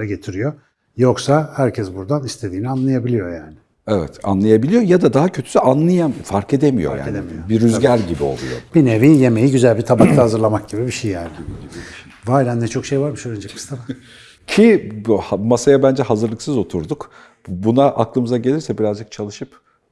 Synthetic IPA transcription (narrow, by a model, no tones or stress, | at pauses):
ɾaɟe̞t̪ʰiɾijo | jo̞ksahæɾcʰɛsbuɾd̪anist̪ʰe̞d̪iːnianlˠajabilʲijo̞jaːnɪ̥ | ɛvɛ̰t̪a̰nlˠajabilʲijo̞jad̪ad̪aɦacʰø̞t̪ʰy̥syʔanlˠajafaɾke̞d̪emijo̞̰ja̰nemijobiɾyzɟæɾʲɟibio̞̰lˠṵjo̞̰b̥ineviːje̞me̞jiɟyzælʲbit̪ʰabak̚t̪ahazɯɾlˠamak̚ɟibibiʃejːaːnɪ | vaːɾænnɛt͡ʃʰo̞kʃejvaɾmiʃøɾind͡ʒikʰɯ̥st̪ʰab̪a | cʰihamasajabænd͡ʒɛɦazɯɾlˠɯksɯzo̞t̪ʰuɾd̪uk | bunaʔaklˠɯmɯzaɟe̞lʲiɾsɛbiɾazd͡ʒɯk̚t͡ʃʰalˠɯʃɯp